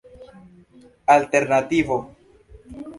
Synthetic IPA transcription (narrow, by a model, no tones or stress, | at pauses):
alte̞ɾnativo